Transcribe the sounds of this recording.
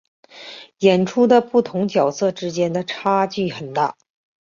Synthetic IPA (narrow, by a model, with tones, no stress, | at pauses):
jɛ˨˩nʈ͡ʂʰu˥d̪ə˨pu˥˩t̪ʰʊ˧˥ŋt͡ɕjɑ˨˩ʊsɤ˥˩ʈ͡ʂɻ̩˥t͡ɕjɛ˥nd̪ə˨ʈ͡ʂʰa˥t͡ɕy˥˩xə˨˩nt̪a̰˥˩